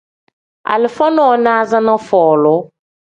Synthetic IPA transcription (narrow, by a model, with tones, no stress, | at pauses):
a̰˨lɪ˨fɔ˦nɔ˦˨˦nã˦zã˦nã˦fɔː˨lʊ˨˦